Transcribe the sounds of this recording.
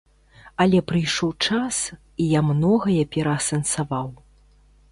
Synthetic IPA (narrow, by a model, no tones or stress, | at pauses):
ɐlʲɛpɾɨjʂɔwt͡ʂas | ijamnɔɣɐjɐpʲɛɾɐːsɐnsavaw